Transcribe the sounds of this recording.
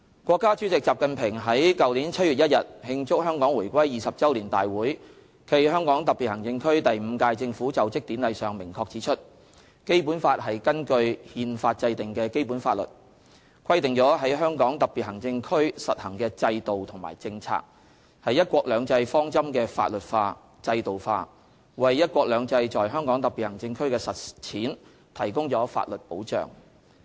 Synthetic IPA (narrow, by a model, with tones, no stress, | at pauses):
kʷwʷɔː˧kːaː˥t͡sy˨˥t͡sɪ˨k̚t͡saː˨p̚kɐ˨npʰɪ˨˩ŋɦɐ˨˥jkɐ˨wliː˨˥nt͡sʰɐ˥t̚y˨t̚jɐ˥t̚jɐ˨t̚hɪ˧ŋt͡sʊ˥k̚hœː˥ŋkɔː˨˥ŋwuː˨˩jkʷɐ˥jːiː˨˩sɐ˨p̚t͡sɐ˥wliː˨˩nt̪a̰ː˨jwuː˨˥j | kʰe˧jɦœː˥ŋkɔː˨˥ŋt̪ɐ˨piː˨t̚hɐ˨˩ŋt͡sɪ˧ŋkʰɵ˥ɥt̪ɐ˨jm̩˨˧kaː˧jt͡sɪ˧ŋfu˨˥t͡sɐ˨˩wt͡sɪ˥k̚t̪iː˨˥nlɐ˨˧jsœː˨˩ŋmɪ˨˩ŋkʰɔː˧k̚t͡siː˨˥t͡ʃʰɵ˥t̚ | ke˥jpu˨˥nfaː˧t̚ɦɐ˨jkɐ˥nkɵ˧ɥhiː˧nfaː˧t̚t͡sɐ˧jt̪ɪ˨˩ŋkɛː˧ke˥jpuː˨˥nfaː˧t̚lɵ̰˨t̚ | kʰɐ˥jt̪ɪ˨˩ŋt͡sɔː˨˥ɦɐ˨˥jɦœː˥ŋkɔː˨˥ŋt̪ɐ˨k̚pi˨t̚hɐ˨˩ŋt͡sɪ˧ŋkʰɵ˥ɥsɐ˨t̚hɐ˨˩ŋkɛː˧t͡sɐ˧jt̪o˨wt̪ʰʊ˨˩ma̰ː˨˩jt͡sɪ˧ŋt͡sʰa̰ː˧k̚ | hɐ˨jːɐ˥t̚kʷɔː˧k̚lœː˨˧ŋt͡sɐ˧jfɔː˥ŋt͡sɐ˥mkɛː˧fa̰ː˧t̚lɵ˨˩t̚faː˧ | t͡sɐ˧jt̪o˨wfa̰ː˧ | wɐ˨jːɐ˥t̚kʷɔː˧k̚lœː˨˧ŋt͡sɐ˧jt͡sɔː˨jɦœː˥ŋkɔː˨˥ŋt̪ɐ˨k̚piː˨t̚hɐ˨˩ŋt͡sɪ˧ŋkʰɵ˥ɥkɛː˧sɐ˨t̚t͡sʰiː˨˥n | t̪ʰɐ˨˩jkʊ˥ŋt͡sɔː˨˥fa̰ː˧t̚lɵ˨t̚po̰˨˥wt͡ʃœ̰ː˨˩ŋ